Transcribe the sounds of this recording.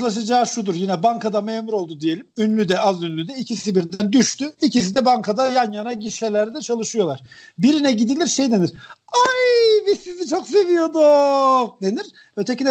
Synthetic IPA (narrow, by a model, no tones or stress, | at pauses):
lˠaʃ̬ɯd͡ʒaːʃud̪uɾjinɛbaŋkʰad̪ameːmuɾo̞lˠd̪ud̪ije̞lʲimynlʲyd̪ɛazynlʲyd̪ɛicʰisibiɾd̪ænd̪yʃt̪ʰyicis̬id̪ɛbaŋkʰad̪ajanjanaɟiʃɛlʲæɾd̪ɛt͡ʃʰalˠɯʃɯjo̞lˠaɾ̥biɾinɛɟid̪ilʲiɾʃejd̪e̞niɾ̥aɾbizsizit͡ʃʰo̞ks̬e̞vijo̞d̪ud̪e̞niɾ | øt̪ʰecinɛ